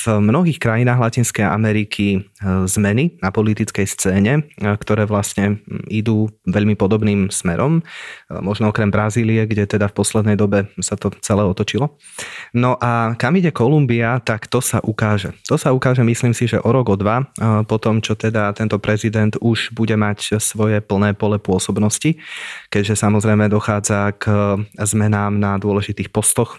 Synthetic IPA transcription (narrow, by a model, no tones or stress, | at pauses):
vmnɔɦiːxkɾajinaːɦlacinskɛʔa̰mɛɾikʰizmɛninapɔlit̪it͡skɛjst͡sɛːɲɛkt̪ɔɾɛːʋlasɲɛid̪uːʋɛʎmipɔd̪ɔbniːmsmɛɾʔɔmmɔʒnɔɔkɾɛmbɾaziːliɛɡɟɛt̪ɛd̪afpɔslɛd̪nɛjd̪ɔbɛsat̪ɔt͡sɛlɛːɔt̪ɔt͡ʃilɔ | nɔʔakamiɟɛkɔlumbiat̪akt̪ɔsaʔukaːʒɛt̪ɔsaukaːʒɛmisliːmsiʒɛʔɔɾɔɡɔd̪ʋapɔt̪ɔmt͡ʃɔt̪ɛd̪at̪ɛnt̪ɔpɾɛzid̪ɛnd̪uʒbuɟɛmacsʋɔjɛpl̩ˠnɛːpɔlɛpʊɔsɔbnɔscikɛɟʒɛsamɔzɾɛjmɛd̪ɔxaːd͡zakzmɛnaːmnad̪ʊɔlɛʒit̪iːxpɔst̪ɔx